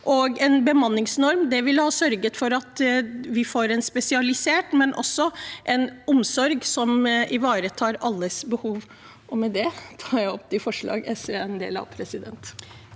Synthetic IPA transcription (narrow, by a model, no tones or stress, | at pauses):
ʔɔɡɛnbəmɑnːɪŋsnɔɾmd̪ɛʋɪlhɑːsœɾɡət̪fɔɾɑt̪ʋɪfoːɾɛnspɛsɪɑlɪseːʈmɛnʔɔ̰sːɔʔɛnɔmsɔɾɡsɔmɪʋɑːɾət̪ʰɑːɾɑlːəsbəhuːʋ | ʔɔmɛd̪ɛt̪ʰɑːɾjæɪɔp̚ːt̪ʰɪfɔʂɭɑ̰ːɡɛsəɛnd̪ḛːlɑ̰ʋpʰɾɛsɪd̪ɛ̰nt̪